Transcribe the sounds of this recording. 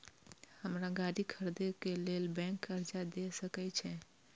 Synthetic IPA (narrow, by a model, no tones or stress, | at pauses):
həmɾaɡaɾikʰəɾd̪ekelelbɛ̃ŋkəɾd͡ʒad̪esəkɛt͡ʃʰɛ